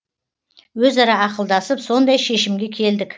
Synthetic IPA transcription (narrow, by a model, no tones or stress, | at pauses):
wɵzɑɾɑɑqəlˠd̪ɑsəpso̞nd̪ɑjʃe̞ʃɪmɡʲe̞kʲʰe̞ld̪ɪk